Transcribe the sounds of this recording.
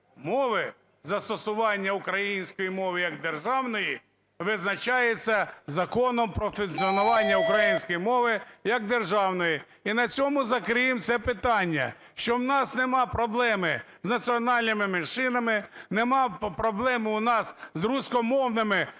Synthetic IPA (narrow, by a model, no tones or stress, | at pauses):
mɔʋɪ | zɐst̪ɔsʊʋɑnʲːɐʊkɾɐjinʲsʲkɔjimɔʋɪjɐɡd̪erʒɑwnɔji | ʋɪznɐt͡ʃɑjet͡sʲːɐzɐkɔnɔmpɾɔfʊnt͡sʲiɔnʊʋɑnʲːɐʊkɾɐjinʲsʲkɔjimɔʋɪjɐɡ̚d̪erʒɑwnɔji | inɐt͡sʲɔmʊzɐkɾɪjɪmt̪sɛpɪt̪ɑnʲːɐ̰ | ʃt͡ʃɔwnɑsnɛmɑpɾɔblˠɛmɪ | znɐt͡sʲiɔnɑlʲnɪmɪmenʃɪnɐmɪnemɑpɾɔblˠɛmʊnɑszrusʲkɔmɔwnɪmɪ